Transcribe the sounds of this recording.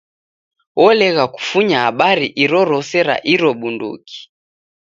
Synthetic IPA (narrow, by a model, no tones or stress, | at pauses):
wʔɔlɛɣaku̥fuɲaaɓaɾiʔiɾɔɾɔsɛɾa̰ʔiɾɔɓundṵki̥